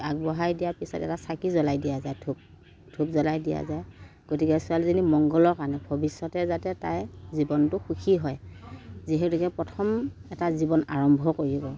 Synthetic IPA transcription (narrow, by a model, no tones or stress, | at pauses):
aɡ̚bɔɦajdijaɹpisɔ̰tɛ̰tasakizɔlajdijazajtʰub̚ | tʰupzɔlajdija̰zajɡ̥otikɛsʊalizinimɔŋɡɔlɔkanɛbʱɔbisːɔtɛzatɛta̰jzibɔntʊxukʰiɦɔjziɦɛtukɛpɹɔtʰɔmɛtazibɔna̰ɹɔmbʱɔkoɹibɔ